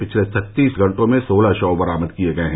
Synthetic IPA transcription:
pɪt͡ʃʰlesɐt̪ːiːsɡʱɐ̃ɳʈõmẽsoːlaʃɔːbɐɾaːməd̪kieɡɐeɦɛ̃

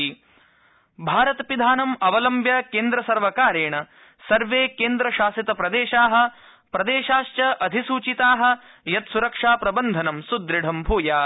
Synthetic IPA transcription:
i | bʱaːɾɐt̪ɐpid̪ʱaːnɐmɐʋɐlɐmbjɐkeːnd̪ɾɐsɐɾʋɐkaːɾeːɳɐ | sɐɾʋeːkeːnd̪ɾɐʃaːsit̪ɐpɾɐd̪eːʃaːɦɐ̆ | pɾɐd̪eːʃaːʃt͡ʃɐʔɐd̪ʱisuːt͡ʃit̪aːɦɐ̆ | jɐt̪suɾɐkʂaːpɾɐbɐnd̪ʱɐnɐmsud̪ɾiɖʱɐmbʱuːjaː

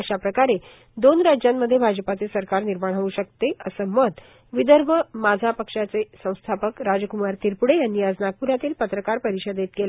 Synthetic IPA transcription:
əɕapɾəkaɾe | d̪onɾad͡ʑjamːəd̪ʱːjebʱad͡zəpat͡sesəɾkaɾniɾmaɽ̃ɦəʋuːɕək̚t̪eəsəmət̪ | ʋid̪əɾʋəmad͡zʱapəkʂat͡sesə̃w̃st̪ʰapəkɾad͡ʑəkumaɾt̪iɾpuɽejanːiːəd͡znaɡ̚puɾat̪iːlpət̪ɾəkaɾpəɾiɕəd̪et̪̚kelə

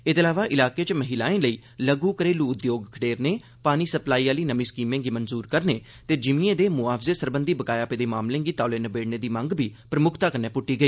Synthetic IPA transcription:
ɪt̪əlaːʋaːʔɪlaːkeːt͡ʃməɦilaːẽːləiː | ləɡuːkəɾeːluːʊd̪joːɡkʰəʈeːɾneː | paːniːsəplaːiːaːliːnəmĩːskiːmẽːɡiːmənzuːɾkəɾneː | t̪eːd͡ʒɪmĩẽːd̪eːmʊaːpʰzeːsəɾbənd̪iːbəkaːjaːpeːd̪eːmaːmlẽːɡiːt̪aːleːnəbeːɽneːd̪iːmə̃ŋɡbʱiːpɾəmʊkʰt̪aːkəɾnɛːpʊʈːiːɡəiː

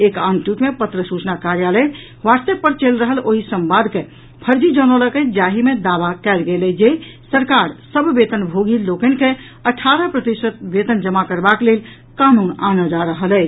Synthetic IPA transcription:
ekanʈjuʈmepət̪ɾəsut͡ʃnakaɾjalə | ʋast̪əpəɾt͡ʃelɾəɦəloɦisəmbad̪ʱke | pʰəɾd͡ʒid͡ʒɔnələked͡ʒaɦimed̪abakɛlɡelɛd͡ʒesəɾkaɾsəbʱbet̪ənbʱoɡilokənke | əʈʰaɾəpɾət̪isət̪̚bet̪ənd͡ʒəmakəɾbaklel | kanunanəd͡ʒaɾəɦəlɛt͡ʃ

